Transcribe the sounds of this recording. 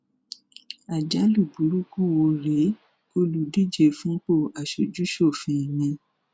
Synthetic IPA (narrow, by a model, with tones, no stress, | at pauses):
a˨d͡ʒa˨˦lu˦˨bu˨˦ɾu˦ku˦˨wo˧ɾe˨˦ | o˦lu˨di˦˨d͡ʒe˦˨fũ˦k͡po˦˨a˨ʃo˨d͡ʒu˦ʃo˦˨fĩ˧˨mĩ˧